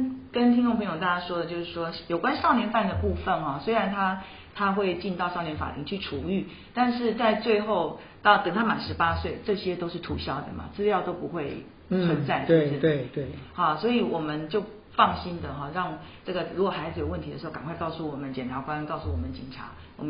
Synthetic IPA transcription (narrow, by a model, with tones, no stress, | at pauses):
kə˦nt̪ʰi˥nʈ͡ʂo˥˩ŋpʰə˧˥ŋjo˨˩t̪a˥˩t͡ɕja˥ʂwɔ˥d̪ə˨t͡ɕjo˥˧ʊʂɻ̩˥˩ʂwɔ˥jo˨˩ʊkwa˦nʂɑ˥˩ʊnjɛ˧˥nfa˥˩nd̪ə˩pu˥˧fə˥˩nxɔ˥˩swe˥ɪɻa˧˥nt̪ʰa˥ | t̪ʰa˥xwe˥˧ɪt͡ɕi˥˧nt̪ɑ˥˧ʊʂɑ˥˩njɛ˧˥nfa̰˨˩lʰi˧˥ŋt͡ɕʰy˥˩ʈ͡ʂʰu˨˩y˥˩ | t̪a˥˧nʂɻ̩˥˧t͡sa˥˧ɪt͡swe˥˧ɪxo˥˧ʊ | t̪ɑ˥˩ʊk̪ə˨˩ŋt̪ʰa˥ma˨˩nʂɻ̩˧˥pa˥swe˥˩ɪʈ͡ʂɤ˥˩ɕjɛ˥t̪o˥ʊʂɻ̩˥˩t̪ʰṵ˧˥ɕjɑ˥˩ʊd̪ə̰˩ma̰˩t͡sɹ̩˥˧ljɑ˥˩ʊt̪o˥ʊpu˧˥xwe˥˩ɪ | t͡sʰwə˧˥nt͡sa˥˩ɪtʂ̩˥˩e˥˩t̪e˥˩xɑ˥˩swɔ˧˥i˨˩wɔ˨˩mə˦nt͡ɕjo˥˧ʊ | fɑ˥˩ŋɕi˥nd̪ə˨xɔ˥˧ɻɑ˥˩ŋʈ͡ʂɤ˥˩ɡə˩ɻu˧˥kwɔ˨˩xa˧˥ɪd͡zɹ̩˧jo˨˩ʊwə˥˩nt̪ʰdə˩ʂ̩˧˥˩ka˨˩kwa˥˧ɪkɑ˥˧ʊsu˥˩wɔ˨˩mə˦nt͡ɕjɛ˨˩nʈ͡ʂʰa˧˥kwa˦nkɑ˥˧ʊsu˥˩wɔ˨˩mə˦nt͡ɕḭ˨˩ŋʈ͡ʂʰa̰˧˥ | wɔ̰˨˩m˦